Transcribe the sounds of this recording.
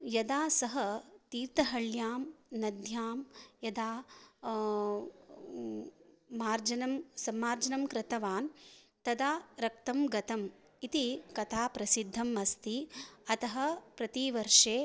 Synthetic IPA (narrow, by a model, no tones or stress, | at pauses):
jɐd̪aːsɐɦɐt̪iːɾt̪ɐɦɐɭjaːmnɐd̪ʱjaːmjɐd̪aː | maːɾd͡ʒɐnɐmsɐmːaːɾd͡ʒɐnɐmkɾɪt̪ɐʋaːn | t̪ɐd̪aːɾɐk̚t̪ɐmɡɐt̪ɐm | it̪ikɐt̪ʰaːpɾɐsid̪ʱːɐmɐst̪iɐt̪ɐɦɐpɾɐt̪iʋɐɾʂeː